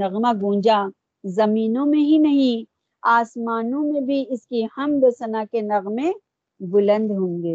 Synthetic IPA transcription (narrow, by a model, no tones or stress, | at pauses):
ɐɣmaɡũːd͡ʒa | zɐmiːnõmẽɦinɐɦĩ | aːsmaːnõmẽbʱiɪskihɐmd̪eːsənakenɐɣmẽ | bʊlə̃nd̪ɦõːŋɡeː